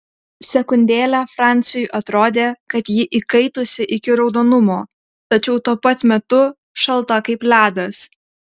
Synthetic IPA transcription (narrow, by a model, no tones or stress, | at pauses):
sʲɛkʊnʲd̪ʲeːlʲæːfɾɑˑnʲt̪sʲɪjʊɪʔɐt̪ɾoːd̪ʲeːkɐt̪jɪʔikɐɪt̪osʲɪʔɪkʲɪɾɒʊd̪oːnʊmoː | t̪ɐt͡ʃʲɛʊt̪uɔpɐt̪mʲɛt̪ʊ | ʃɐlˠˑt̪ɐkɐɪplʲæːd̪ɐs